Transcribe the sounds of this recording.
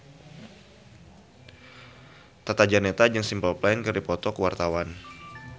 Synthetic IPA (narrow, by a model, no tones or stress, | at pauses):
t̪at̪ad͡ʒanet̪ad͡ʒɨŋsimpəlplankərdipɔt̪ɔkəwart̪awan